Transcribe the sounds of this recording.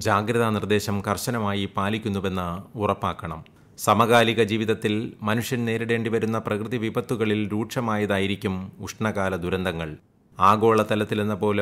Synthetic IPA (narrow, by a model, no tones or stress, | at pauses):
d͡ʑaːɡɾɐðɐnird̪e̞ːɕɐmkɐrɕɐnɐmaːjipaːlikʲːunːuʋe̞nːɐurɐpːaːkːɐɳɐ̰m | sɐmɐɣaːliɣɐd͡ʑiːʋiðɐt̪ːilmɐnuʂjɐnne̞ːɾiɽe̞ːɳɖiʋɐɾunːɐprɐkrɨðiʋibɐt̪ːuɣɐɭilɾuːʈʂɐmaːjɐðaːjiɾikʲːumuʂɳɐɣaːlɐd̪uɾɐnd̪ɐŋːɐɭ | aːɡo̞ːɭɐt̪ɐlɐt̪ːilenːɐpo̞ːle